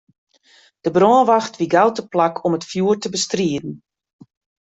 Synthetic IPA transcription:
d̥əbrɔːənʋaxtʋiɡawtəplakʰɔmətfjuərtəbəstriədn̩

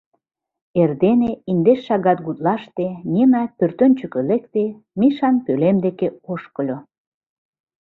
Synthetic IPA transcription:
erd̪eneind̪eʃːɑɣɑt̪̚ɡut̪lɑʃt̪enʲemæpørt̪ønʲt͡ɕəkø̆lek̚t̪e | miʃɑnpølemd̪ekeoʃkəlʲo

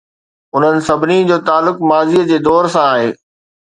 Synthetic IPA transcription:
ʊn̤ənɪ̆sɐbʱɪnid͡ʑoːt̪aːlːʊkmaːziəd͡ʑeːd̪ɔːɾsãaːɦeː

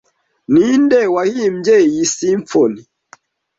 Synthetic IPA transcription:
nindɛwahim̩d͡ʒɛjisiɱfɔni

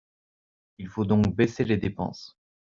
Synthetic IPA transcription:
ilfod̪ɔ̃k̚beseled̪epɑ̰̃s

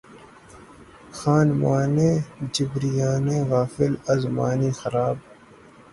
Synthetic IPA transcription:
xaːnmaːnẽːd͡ʒɪbɾijaːnẽːɣaːfɪlɐzma̰ːniːxɐɾaːb̚

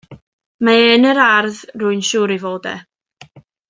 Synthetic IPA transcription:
maeːnəɾarðruɨnʃuːɾivoːdɛ̰

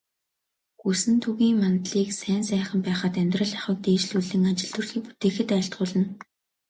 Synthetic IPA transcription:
ɡusɘ̆nt̪ʰuɣiːŋmant̪ɮiːksæːnsæːχə̆mpæːχaːt̪æmʲt̪rə̆ɮaχə̆k̚t̪eːt͡ɕɮuɮɘ̆ŋat͡ɕɪ̆ɮt̪ŭrxiːpu̥t̪eːxɘ̆t̪œːɬt̪ʁʊːɮə̆n

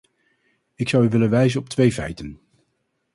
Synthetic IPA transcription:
ɪksɑwyʋɪlənʋɛjzənɔp̚tʋejvɛ̰jtən

